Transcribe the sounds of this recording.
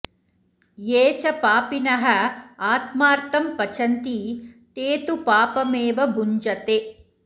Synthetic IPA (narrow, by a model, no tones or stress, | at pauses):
jeːt͡ʃɐpaːpinɐɦɐ̆aːt̪maːɾt̪ɐmpɐt͡ʃʰɐnt̪it̪eːt̪upaːpɐmeːʋɐbʱuɲd͡ʒɐt̪e